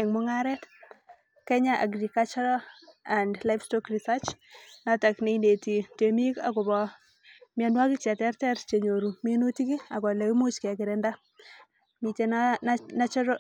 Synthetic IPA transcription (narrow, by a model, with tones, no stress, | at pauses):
ɛŋmʊŋaɾɛt | kɛɲaʔa̰˨ɡɾikalt͡ʃɔɾaa˨ndla˦jfstɔkrisat͡ʃnata˨kne˦ine˨ti˨te˨mi˦kakʊ˨bɔ | mia˨nwa˦ki˦t͡ʃa˨tɛ˦rtɛɾt͡ʃe˨ɲo˨ɾu˨minu˦ti˦ki˦a˨kɔ˨le˨wi˦mu˦t͡ʃkɛ˨kɪ˨ɾɛnda˦ | mi˨t͡ʃennat͡ʃɔɾ